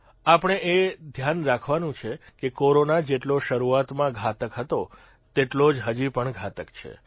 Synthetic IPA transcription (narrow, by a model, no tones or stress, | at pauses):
apəɳ̃eʔed̪ʱjanɾakʰʋanũt͡ʃʰekekoɾonad͡ʒeʈloʃəɾuat̪mãɡʱat̪əkɦət̪o | t̪eʈlod͡ʒɦəd͡ʒipəɳɡʱat̪əkt͡ʃʰḛ